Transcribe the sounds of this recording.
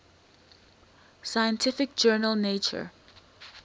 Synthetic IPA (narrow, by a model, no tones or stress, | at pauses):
sajə̃ntʰɪfɪk̚d͡ʒɜːnəlˠnet͡ʃə̰